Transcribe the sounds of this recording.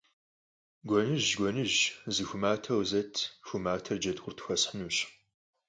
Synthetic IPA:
ɡʷɔnɨʒɡʷɔnɨʒzɨxʷʊmaːtʰɐwzɐtʰxʷʊmaːtʰɐrd͡ʒɐdʁʷʊrtʰxʷɐsħənuːɕ

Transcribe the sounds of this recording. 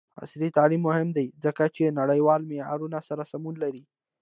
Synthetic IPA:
a̰sɾit̪alimːʊhɪmd̪ajzəkat͡ʃenaɽəjwɑlmea̰ɾunasaɾasamunlaɾi

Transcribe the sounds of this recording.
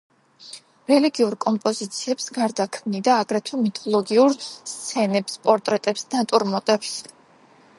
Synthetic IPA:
ɾɛliɡiuɾkʼɔmpʼɔzit̪sʰiɛpsɡaɾd̪akʰmnid̪aːɡɾɛt̪ʰɔmit̪ʰɔlˠɔɡiuɾst̪sʰɛnɛpspʼɔɾt̪ʼɾɛt̪ʼɛpsnat̪ʼuɾmɔt̪ʼɛps

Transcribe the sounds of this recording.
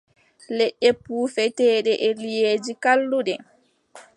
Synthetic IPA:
lɛɗːɛpuːfɛtɛːɗɛʔɛlijeːd͡ʒikalːuɗɛ

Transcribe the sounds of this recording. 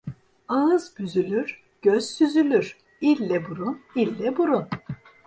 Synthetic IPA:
aɯzbyzylʲyɾ̥ | ɟ̥øzsyzylʲyɾ̥ | ilʲːɛbuɾunilʲːɛbuɾun

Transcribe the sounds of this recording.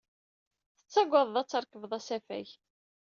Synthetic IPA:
θə̥t͡sːæɡʷːɑðˤðɑt͡sːɑɾˤkəvðˤæsæfæ̰ç

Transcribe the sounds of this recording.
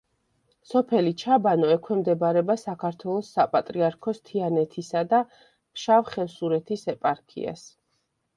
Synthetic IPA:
sɔpʰɛlit͡ʃʰabanɔɛkʰwɛmd̪ɛbaɾɛbasakʰaɾt̪ʰwɛlˠɔsːapʼat̪ʼɾiaɾkʰɔst̪ʰianɛt̪ʰisad̪a | ʃavχɛsuɾɛt̪ʰisɛpʼaɾkʰḭa̰s

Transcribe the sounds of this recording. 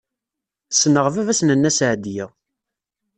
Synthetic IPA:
θə̥sːnəʁvævæsnənːæsʕd̪jæ

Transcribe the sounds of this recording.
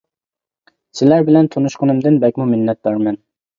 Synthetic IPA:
sɪlæɾbɪlɛnt̪ʰonuʃqʰənɨmd̪ɨnbɛkʲmumɪnːɛt̪̚bɑɾmɛn

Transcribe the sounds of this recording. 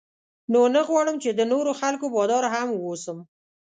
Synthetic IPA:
nonəɣwɑɽəmt͡ʃed̪ənoɾoxalkobɑd̪ɑɾɦamwosəm

